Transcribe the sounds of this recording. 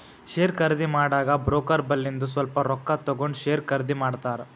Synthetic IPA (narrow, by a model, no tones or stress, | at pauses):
ʃeːɾkɐɾd̪imaːɽaːɡɐbɾoːkɐɾbɐlːind̪us̬ʋɐlpɐɾɔkːɐt̪ɐɡoɳɖʃeːɾkɐɾd̪imaːɽt̪aːɾɐ